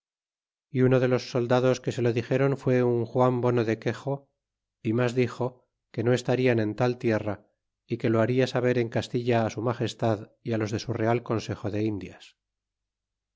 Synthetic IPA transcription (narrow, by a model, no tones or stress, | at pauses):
iuno̞ðe̞lo̞sːo̞ld̪aðo̞ske̞se̞lo̞ðixe̞ɾo̞ɱfwe̞uŋxwambo̞no̞ðe̞ke̞xo̞ | imazðixo̞ | ke̞no̞e̞st̪aɾianẽ̞nt̪alt̪je̞ra | ike̞lo̞aɾiasaβ̞e̞ɾe̞ŋkast̪iʎaːsumaxe̞st̪aðialo̞zðe̞sure̞alko̞nse̞xo̞ðe̞ind̪jas